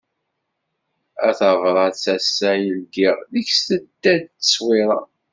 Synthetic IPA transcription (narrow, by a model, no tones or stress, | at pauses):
æθəvɾˤɑt͡sːæsːæjəlɡiʁðiçsθət̪ːæd̪ə̥swiɾˤɑ